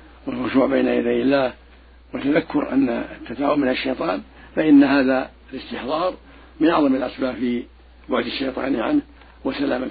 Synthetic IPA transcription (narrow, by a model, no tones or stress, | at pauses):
wɪlrʊʒuːʕbeːnajad̪ajɪlːaːh | wɪt̪ːaðakːʊɾʔa̰nːa̰t̪ːat̪aːʔʊmɪnaʃːejt̪ˤɑːn | faʔɪnːhaːða | ɪlɪst̪ɪħðˤɑːɾˤ | mɪnʔɑʕðˤɑmɪlʔasbaːbfi | bʊʕd̪ɪʃːejt̪ˤɑ̰ːnʕa̰nh | wɪsalaːma